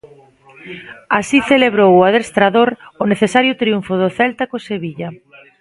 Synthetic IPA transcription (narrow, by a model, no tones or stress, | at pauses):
asiθeleβɾowʊaðest̪ɾaðoɾʊneθesaɾjʊt̪ɾiuɱfʊðʊθɛlt̪akoseβiʎa